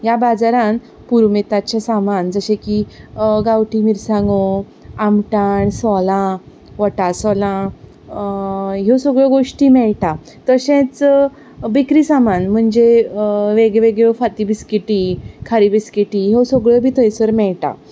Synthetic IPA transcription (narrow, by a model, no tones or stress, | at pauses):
ɦjabad͡zaɾãn | puɾmet̪at͡ɕesamand͡zəɕẽkiɡawʈimiɾsãŋɡo | amʈaɳsɔlã | ʋəʈasɔlã | ɦewsəɡɭəɡoʂʈiːmɛɭʈa | t̪əɕẽt͡s | bikɾisamanm̤əɳd͡ʑeʋeɡeʋeɡɭfat̪ibiskiʈikʰaɾibiskiʈiɦewsəɡɭəbʱiːt̪ʰəjsəɾmɛɭʈa̰